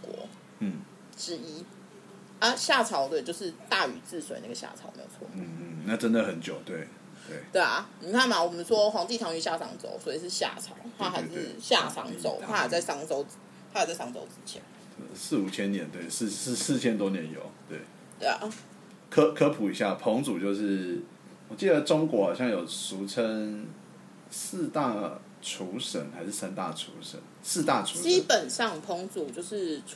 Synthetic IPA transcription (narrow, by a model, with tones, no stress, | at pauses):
kwɔ̰˧˥ | n̩˥˩ | ʈ͡ʂɻ̩˦˥i˦ | a˦ɕja˥˩t͡sʰɑ˧˥ʊd̪ə˧˨˩t͡ɕjʊʂɻ̩˥˧t̪a˥˩y̰˨˩t͡sɹ̩˥˩swḛ˨ɪna˥˩ɡə˨˩ɕja̰˥˩t͡sʰɑ˨˦ʊmḛ˧˥ɪjo̰˨˩t͡sʰɔ˥˩˥na˥˨ʈ͡ʂə˦nd̪ə˨xə˨˦nt͡ɕjo˨˩ʊt̪we˥˩ɪ | t̪we˥˩ɪt̪we˥˩ɪa̰˨˩ni˨˩kʰa˥˩nba˨˩wɔ˨˩mə˨˦nʂwɔ˦xwɑ˧˨˥ŋt͡ɕ̪i˥˩t̪ʰɑ˧˥ŋy˨˩ɕja˥˩sɑ̰˧˦ŋt͡so̰˧˥ʊswɔ˧˥i˨˩ʂɻ̩˥˧ɕja̰˥˩t͡sʰɑ̰˨˦ʊt̪ʰa˦˥xa˧˥ʂ̩˥˧ɕja˥˩sʰɑ̰˧˥ŋt͡so̰˧˥ʊa˥a˨˩t͡sa˥˩ɪsɑ˥ŋt͡so˥ʊ | t̪ʰa˥jt͡sa˥˩ɪsɑ˥ŋt͡so̰˧˥ʊʈ͡ʂɻ̩˥t͡ɕʰjɛ̰˧˦n˥˨ | s̩˥˩u˨˩t͡ɕʰjɛ˦˥njɛ˧˥nt̪we˥˩ɪs̩˥˧s̩˥˧sɹ̩˥˨t͡ɕʰjɛ˦˥nt̪wɔ˥njɛ˧˦njo̰˨˩˦ʊt̪we˥˩ɪ | t̪ḛ˥˩˨ | kʰə˥kʰɤ˥pʰu˨˩i˨˩ɕja˥˩pʰɔ˧˥ŋt͡su˨˩t͡ɕjo˥˧ʊʂɻ̩˥˩ | wɔ˨˩t͡ɕi˥˩d̪ə˩ʈ͡ʂo˥ŋkwɔ˧˥hɑ˨˩ɕjɑ˥˩ŋjo˨˩ʊsu˧˥t͡sʰə˦ŋ | sɹ̩˥˧t̪a˥˩ | ʈ͡ʂʰu˧˥ʂə˨˩nxa˧˥ɪʂɻ̩˥˩sa˥nt̪a˥˩ʈ͡ʂʰṵ˧˥ʂə̰˨˦nsɹ̩˥˧t̪a˥˩ʈ͡ʂʰu˧˨˥ʂt͡ɕi˥pə˨˩nʂɑ˥˨ŋpʰɔ˧˥ŋt͡su˨˩t͡ɕjo˥˧ʊʂɻ̩˥˩